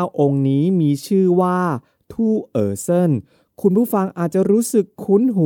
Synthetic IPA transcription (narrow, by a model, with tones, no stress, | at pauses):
wʔo˧ŋniː˦˥miː˧t͡ɕʰɯː˥˩waː˥˩ | t̪ʰuː˥˩ʔɤː˧sɤ˥˩n | kʰu˧npʰuː˥˩fa˧ŋʔaː˨˩t̪̚t͡ɕa˨˩ɾuː˦˥sɯ˨˩kʰːu˦˥nɦu˨˦